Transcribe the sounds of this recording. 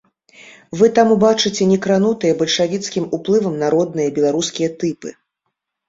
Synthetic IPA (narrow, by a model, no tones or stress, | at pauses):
vɨt̪amubat͡ʂɨt͡sʲɛnʲɛkɾanut̪ɨjɐbɐlʲʂavʲit̪skʲimuplˠɨvɐmnaɾɔd̪̚nɨjɐbʲɛlˠaɾuskʲijɐt̪ɨpɨ